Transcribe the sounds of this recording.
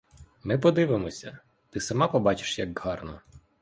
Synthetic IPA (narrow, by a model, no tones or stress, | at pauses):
mɪpɔd̪ɪʋɪmɔsʲɐ̰ | t̪ɪsɐmɑpɔbɑt͡ʃɪ̥ʃjɐɡhɑrnɔ